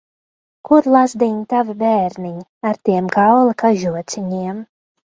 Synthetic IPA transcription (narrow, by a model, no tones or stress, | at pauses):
kuɾlˠazd̪iɲt̪avibɛːɾniɲaɾt̪iɛmkawlˠɨkaʒuɔt̪sʲiɲiɛm